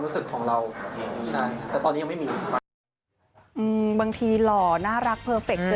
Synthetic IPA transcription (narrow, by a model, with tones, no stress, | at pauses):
ɾuː˦˥sɯ˨˩kʰːɔː˩˦ŋɾa˧wt͡ɕʰa˥˩jkʰa˥˩t̪ɛː˨˩t̪ɔ˧ni˦˥a˧ma˥˩jmiː˧a˧ | ʔɯː˧baː˧ŋt̪ʰiː˧lɔː˨˩naː˥˩ɾa˦˥k̚pʰɤː˧fe˨˩k̚